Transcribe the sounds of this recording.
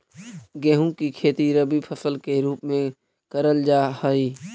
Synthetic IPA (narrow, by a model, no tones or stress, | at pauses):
ɡẽːɦũkikʰeːt̪iɾəbipʰəsəlkeɾuːpmẽ | kəɾəld͡ʒaːhəiː